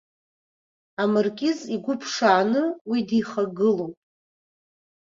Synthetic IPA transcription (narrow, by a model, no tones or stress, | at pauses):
amɨrkʲʼɪziɡʷʊpʰʂaːnɨwidiχaɡɨlowpʼ